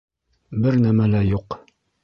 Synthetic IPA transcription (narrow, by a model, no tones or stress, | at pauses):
bɘɾnæmælæjuq